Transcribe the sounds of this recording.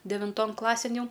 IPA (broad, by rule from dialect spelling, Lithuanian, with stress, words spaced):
dʲɛʋʲɪnˈtoːn ˈklˠɑːsʲeːn ˈjɛʊ